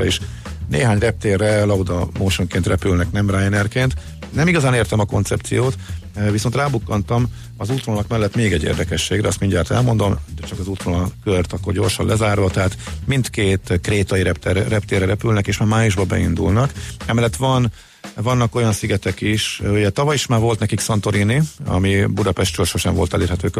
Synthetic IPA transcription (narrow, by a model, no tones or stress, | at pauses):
eʃ | neːɦaːɲrɛp̚t̪eːrːɛlɒud̪ɒmoːʃoŋkeːnt̪rɛpylnɛknɛmrajnɛrkeːnt̪ | nɛmiɡɒzaːneːrt̪ɛmɒko̞̰nt̪sɛp̚t̪sijoːt̪viso̞nt̪raːbukːɒnt̪ɒm | ɒzuːt̪roːnɒkmɛlːɛt̪meːɡɛɟːḛːrd̪ɛkɛʃːeːɡɾɛ̰ɒst̪miɲɟaːt̪ɛ̰lmo̞nd̪o̞md̪ɛt͡ʃɒkɒzuːt̪ronɒkørt̪ɒkːorɟo̞rʃɒnlɛzaːrvɒt̪ɛɦaːt̪mind̪keːt̪kreːt̪ɒjiɾɛpt̪ɛrːɛp̚t̪eːrɛɾɛpylnɛkeːʃmaːmaːjuʒbɒbɛ̰ind̪ṵlnɒkɛmɛlːɛt̪ːʋɒn | vɒnːɒko̞jɒnsiɡɛt̪ɛkiʃuɟɛt̪ɒvɒjiʃmaːrvo̞lt̪nɛkiksɒnt̪o̞ɾiniɒ̰mibud̪ɒpɛʃt̪t̪ylʃo̞ʃɛ̰ɱvo̞lt̪ɛleːrɦɛt̪øː